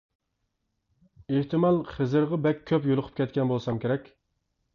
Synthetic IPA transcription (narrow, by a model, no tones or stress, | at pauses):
eht̪ɨmɑlˠχəzɨɾʁɑbɛkʲʰːøpjolˠʊqʰʊ̥p̚kʲɛt̪kʲɛnbolˠsɑmkʲʰeɾɛkʲ